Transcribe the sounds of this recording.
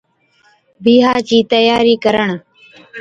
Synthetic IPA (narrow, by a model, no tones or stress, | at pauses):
biːɦaːt͡ʃiːt̪əjaːɾiːkəɾəɳ